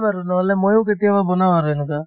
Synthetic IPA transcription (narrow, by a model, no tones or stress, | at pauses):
baɾunɔɦlɛmojw̃k̬et̪ijababɔnawaɾenuka